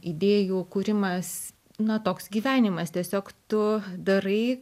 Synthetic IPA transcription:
ɪd̪ʲeːjuːkuːɾʲɪmɐs | nɐt̪oːksɡʲiːʋʲæːnʲɪmɐst̪ʲiɛsʲoːkt̪ʊd̪ɐɾɐɪ

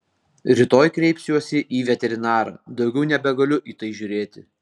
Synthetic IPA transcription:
ɾʲɪt̪oːjkɾʲɛɪpʲsʲjuɔsʲɪʔiːʋʲɛt̪ʲɛɾʲɪnɑːɾɐ̰d̪ɒʊɡʲɛʊnʲɛbʲɛɡɐlʲʊʔiːt̪ɐɪʒʲʊɾʲeːt̪ʲɪ

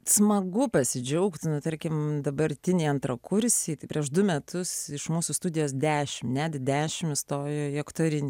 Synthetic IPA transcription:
smɐɡʊpɐsʲɪd͡ʒʲɛʊkt̪ʲnʊt̪ɐɾʲkʲɪmd̪ɐbɐɾʲt̪ʲɪnʲiːɐnt̪ɾɐkʊɾʲsʲiːt̪ɐɪpʲɾʲiɛʃd̪ʊmʲɛt̪ʊsɪʃmuːsust̪ud̪ʲɪjoːs̬d̪ʲæːʃʲɪmnʲæːd̪ʲɪd̪ʲæːʃʲɪmɪst̪oːjjoːiɐkt̪oːɾʲɪnʲiː

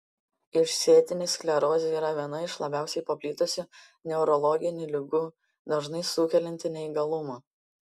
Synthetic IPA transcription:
ɪʃsʲeːt̪ʲɪnʲeːsklʲɛɾoːsʲiːɾɐʋʲiɛnɐɪʃlˠɐbʲæˑʊsʲɛɪpɐpʲlʲiːt̪ʊsʲʊ | nʲɛʊɾɔlˠɔɡʲɪnʲʊlʲɪɡʊ | d̪ɐʒnɐɪsuːkʲɛlʲɛnʲt̪ʲɪnʲɛiɡɐlˠʊmɐ

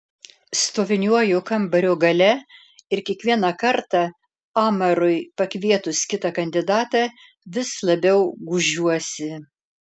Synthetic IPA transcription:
st̪oːʋʲɪnʲuɔjʊkɐmbɐɾʲoːɡɐlʲɛ | ɪɾkʲiɛkʋʲiɛnɑkɐɾt̪ɑ | ɑːmɐɾʊɪpɐkʋʲiɛt̪ʊskʲɪt̪ɑkɐnʲd̪ʲɪd̪ɑːt̪ɑ | ʋʲɪslˠɐbʲɛʊɡʊʒʲuɔsʲɪ

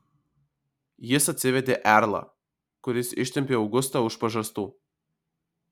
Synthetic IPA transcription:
jɪsɐt̪ʲsʲɪʋʲɛd̪ʲeːʔæɾlˠɐ̰ | kʊɾʲɪsɪ̰ʃʲt̪ʲɛmʲpʲeːɒʊɡʊst̪ɐʊʃpɐʒɐst̪uː

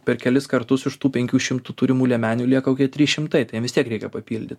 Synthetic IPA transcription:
pʲɛrkʲɛlʲɪskɐɾt̪ʊsɪʃt̪uːpʲɛŋʲkʲuːʃʲɪmt̪uːt̪uːɾʲɪmuːlʲɛmʲæːnʲuːlʲiɛkɐoʊkʲiɛt̪ʲɾʲiːʃʲɪmt̪ɐɪt̪ɐɪjɛmʋʲɪst̪iɛkɾʲɛɪkʲɛpɐpʲiːlʲd̪ʲɪt̪ʲ

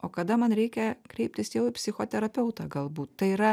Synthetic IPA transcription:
oːkɐd̪ɐmɐnɾʲɛɪkʲɛkɾʲɛɪp̚ʲt̪ʲɪsjɛʊɪpʲsʲɪxoːt̪ʲɛɾɐpʲɛʊt̪ɑːɡɐlˠbuːt̪t̪ɐɪiɾɐ

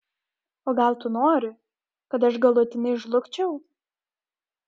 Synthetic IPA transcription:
oːɡɐlˠt̪ʊnoːɾʲʊ | kɐt̪ɐʃɡɐlˠʊt̪ʲɪnʲɐɪɪʃlˠʊkt͡ʃʲɛʊ

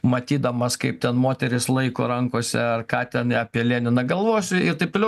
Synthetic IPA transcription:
mɐt̪ʲiːd̪ɐmɐskɐɪp̚t̪ʲɛnmoːt̪ʲɛɾʲɪslˠɐɪko̰ɾɐŋkoːsʲɛ̰ɐrkɑːt̪ʲɛnɑːpʲiɛlʲeːnʲɪnɐɡɐlˠʋoːsʲʊɪɾt̪ɐɪptlʲɛ

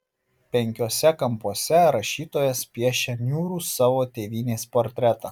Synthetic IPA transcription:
pʲɛŋʲkʲoːsʲɛkɐmpuɔsʲɛɾɐʃʲiːt̪oːjɛspʲiɛʃʲɛnʲuːɾuːsɑːʋoːt̪ʲeːʋʲiːnʲeːspoːɾʲt̪ʲɾʲɛt̪ɑː

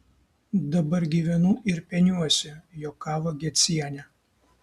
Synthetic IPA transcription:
d̪ɐbɐɾɡʲiːʋʲɛnuːʔɪɾpʲɛnʲuɔsʲɛjoːkːɑːʋoɡʲɛt̪sʲiɛnʲɛ

